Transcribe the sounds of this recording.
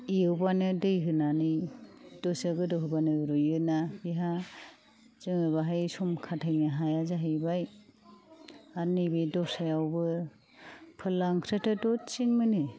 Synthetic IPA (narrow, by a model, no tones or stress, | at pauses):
iɯwbanɯdɯjɦɯnanɯdɔsaɡɯdɯɦɯbanɯɾɔjɯnabiɦa | zɯŋɯβaɦajsumkʰatʰajnaɦajazaɦɯjbaj | anibedɔsajawbɯ | pʰɯlaŋkʰɾetʰɯdɔtt͡ʃiŋmɯnɯ